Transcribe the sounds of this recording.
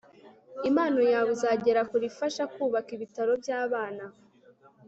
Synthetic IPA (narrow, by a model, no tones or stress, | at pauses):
imaːno̞jaːβuzaːɟe̞ɾakuɾifaʃakuːβakiβitaɾo̞bjaːβaːna